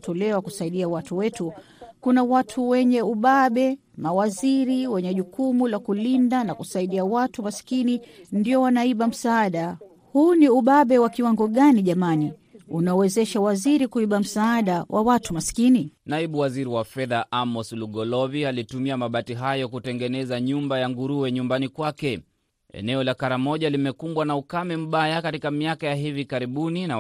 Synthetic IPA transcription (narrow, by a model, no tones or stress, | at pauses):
tɔlɛwakusaiɗiawatuwɛtu | kunawatʰuwɛɲɛuɓaɓɛ | mawaziɾiwɛɲɛʄukumulakulindanakusaiɗiawatumasi̥kinindiɔwanaiɓam̩saːɗa | huniuɓaɓɛwakiwaŋɡɔɠaniʄamaniunaɔwɛzɛʃawaziɾikuiɓam̩saːɗawʔawatumasi̥kininaiɓuwaziɾiwafɛðaʔamɔsluɡɔlɔvialitumiamaɓatiɦajɔkutɛŋɡɛnɛzaɲumbajaŋɡuɾuwɛɲumbanikwakɛ | ɛ̰nɛɔlakaɾamɔʄalimɛkumbwanaukamɛm̩ɓajakatikamiakajaɦivikaɾiɓunina